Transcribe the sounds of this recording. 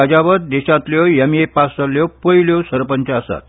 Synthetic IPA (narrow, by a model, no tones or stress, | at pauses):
ad͡ʑaʋəɾd̪eɕat̪ljɔjamiepasəlːjɔpəiljosəɾpənt͡ɕaəsa̰t̪̚